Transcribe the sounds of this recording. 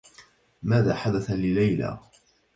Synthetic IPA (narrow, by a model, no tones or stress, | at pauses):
maːðaːħad̪aθalɪlajla̰ː